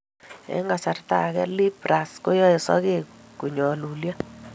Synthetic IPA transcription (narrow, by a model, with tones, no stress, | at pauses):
ɛ̰˦ŋɡa˨sa˨rta̰˨ɣɛ˦li˦pɾa˨skɔ˦jɔ˦ɪ˨sɔ̰˦ɣe˦ku˨ɲɔ˨lu˨lja˦